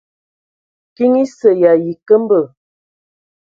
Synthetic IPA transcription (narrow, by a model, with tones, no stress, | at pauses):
ki˦ŋi˦sə˨ja˨ji˨kə˦m˦bə˨